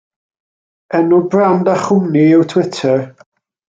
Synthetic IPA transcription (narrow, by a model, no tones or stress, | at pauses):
ɛnʊbrandaχʊniɪwtʰwɪtʰəɹ